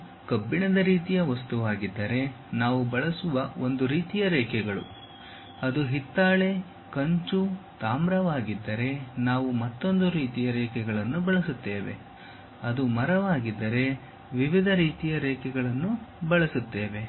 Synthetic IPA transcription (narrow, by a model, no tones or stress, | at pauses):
kɐbːiɳɐd̪ɐɾiːt̪ijɐʋɐst̪uʋaːɡid̪ːɐɾe̞ | naːʋubɐɭɐsuʋɐo̞nd̪uɾiːt̪ijɐɾɛːkɛɡɐɭṵ | ɐd̪uɦit̪ːaːɭe̞ | kɐɲt͡ʃut̪aːmɾɐʋaːɡid̪ːɐɾe̞naːʋumɐt̪ːo̞nd̪uɾiːt̪ijɐɾɛːkɛɡɐɭɐnːubɐɭɐsut̪ːe̞ːʋe̞̰ | ɐd̪umɐɾɐʋaːɡid̪ːɐɾe̞ | ʋiʋid̪ʱɐɾiːt̪ijɐɾɛːkɛɡɐɭɐnːubɐɭɐsut̪ːe̞ːʋe̞